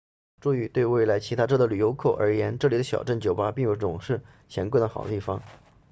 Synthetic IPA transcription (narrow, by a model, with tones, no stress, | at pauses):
ʈ͡ʂu˥˧y˧˥˩t̪we˥˧ɪwe˥˩ɪla˧˥ɪt͡ɕʰi˧˥t̪ʰa˥ʈ͡ʂɤ˥˩d̪ə˩ly˨˩jo˧˥kʰɤ˥˩ʊʔə̰˞˧˥jɛ˧˥nʈ͡ʂɤ˥˩li˨˩d̪ə˦ɕjɑ̰˨˩ʊʈ͡ʂə˥˩nt͡ɕjo˨˩ʊpa˥pi˥˩ŋjo˧˥ʊʈ͡ʂʊ˨˩ŋʂɻ̩˥˩ | t͡ɕʰjɛ˧˥nkwe˥˩nd̪ə˩xɑ̰˨˩ʊt̪i˥˩fɑ˥ŋ